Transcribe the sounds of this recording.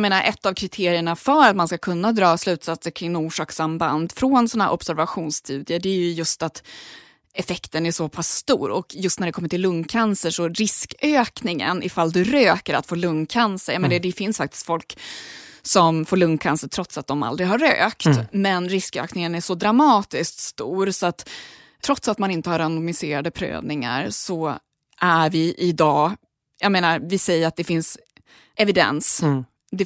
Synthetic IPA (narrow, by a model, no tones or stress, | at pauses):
meːnaɾʔɛt̪ːavkʰɾɪt̪ʰeːɾɪəɳafœɾat̪manskakʰɵnːad̪ɾɑːslʉ̟ːt̪sat̪səɾkʰɾɪŋːuːʂɑːksamba̰nd̪fɾoːnsɔnahːɾɔbsæɾvaɧuːnst̪ʰʉːd̪ɪəɖɛæɾjɵjɵst̪at̪ | ɛfɛkt̪ənæʂɔpʰast̪uːɾɔkjɵst̪næɖɛkʰɔmːəʈʰɪlːɵŋkʰansəʂɔɾɪskøːknɪŋə̰nɪfald̪ɵɾøːkəɾa̰t̪foːlɵŋkʰansəɾjameːnad̪ɛfɪnsfakt̪ɪ̥st̪fɔlk | sɔmfoːɭɵŋkʰansəʈʰɾɔt̪sat̪̚d̪ɔma̰ld̪ɾɪɦaɾø̰ːkt̪mɛnɾɪskø̰ːknɪŋənæʂɔd̪ɾamɑːt̪ɪsk̚t̪st̪uːɾsɔat̪ʰː | ɾɔt̪sat̪manɪnt̪əhaɾanʊmɪseːɾad̪əpʰɾø̰ːvnɪŋa̰ɾsɔ | ʔæɾvɪʔɪd̪ɑː | jameːnaɾvɪsɛjːəɾat̪̚d̪ɛfɪns | ɛvɪd̪ɛ̰ns | d̪ɛ